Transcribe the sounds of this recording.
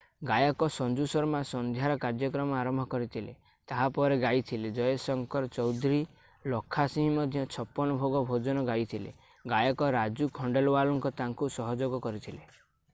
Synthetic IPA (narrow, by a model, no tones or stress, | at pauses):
ɡajɔkɔsɔnd͡ʒusɔɾmasɔnd̪ʱjaɾɔkaɾd͡ʒjɔkɾɔmɔaɾɔmbʱɔkɔɾit̪ʰile | t̪aɦapɔɾeɡajt̪ʰiled͡ʒɔjɔsɔŋkɔɾɔt͡ʃɔwd̪ʱɾi | lɔkʰːasĩɦmɔd̪ʱjɔt͡ʃʰɔpːɔnɔbʱoɡɔbʱod͡ʒɔnɔɡajt̪ʰilḛ | ɡajɔkɔɾad͡ʒukʰɔɳɖelɔwalɔŋkɔt̪aŋkusɔɦɔd͡ʒoɡɔkɔɾit̪ʰile